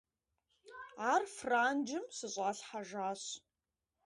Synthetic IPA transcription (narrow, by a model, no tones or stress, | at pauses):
aːrfraːnd͡ʒɪmsɨɕʼaːɬħaʒaːɕ